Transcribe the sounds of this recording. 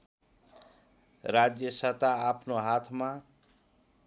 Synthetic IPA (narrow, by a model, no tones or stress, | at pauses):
ɾad͡zjʌsʌt̪aːpʰnoɦat̪ʰma